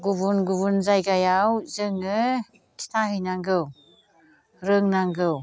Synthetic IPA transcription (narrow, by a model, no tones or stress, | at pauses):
ɡubunɡuβunzajɡajawzɯŋɯ | tʰi̥tʰahɯjnaŋɡɯw | ɾɯŋnaŋɡɯw